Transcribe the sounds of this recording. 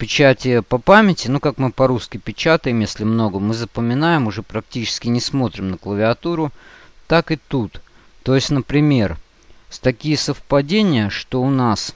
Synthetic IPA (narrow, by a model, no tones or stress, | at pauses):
pʲɪt͡ɕætʲɪjpɐpamʲɪtʲɪnukakmɨpɐɾuskʲɪpʲɪt͡ɕat̪əjɪmjesʲlʲɪmno̞ɡəmɨzəpəmʲɪnajɪmʊʐɛpɾɐk̚tʲit͡ɕɪ̥skʲɪnʲɪsmo̞t̪ɾʲɪmnəklˠəvʲɪɐt̪uɾʊ | t̪akɨt̪ut̪ | t̪o̞jɪsʲtʲnəpɾʲɪmʲe̞r | st̪ɐkʲijəsəfpɐdʲenʲɪjəʂt̪o̞ʊnas